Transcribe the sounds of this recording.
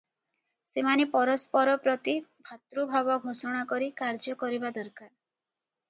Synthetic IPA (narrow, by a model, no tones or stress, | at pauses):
semanepɔɾɔspɔɾɔpɾɔt̪ibʱat̪ɾubʱabɔɡʱosɔɽ̃akɔɾikaɾd͡ʒɔkɔɾibad̪ɔɾkaɾ